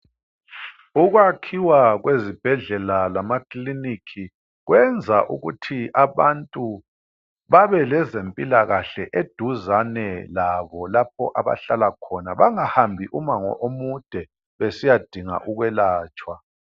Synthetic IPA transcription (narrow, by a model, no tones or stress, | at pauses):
uɣwakʰiwaɣwezib̥ʱɛɮɛlalamakʼlinikʰi | ɣwɛnd͡zʱaʔṵɣṵtʰiʔaβantʼu | βaβɛlɛzempʼilaɣaɬɛʔed̥ʱuzanɛlaβɔlap̚ʰɔʔaβa̰ɬalakʰɔnaβaŋahambʱiʔumaŋɔ̰ʔomud̥ʱɛ | βesijad̥ʱiŋa̰ʔuɣwɛlaːt͡ʃʼwa